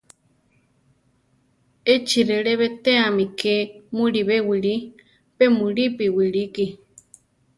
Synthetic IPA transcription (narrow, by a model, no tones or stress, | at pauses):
et͡ʃiɾeɺeβet̪eamikemũɾiβewiɺi | pemũɾipiwiɺiki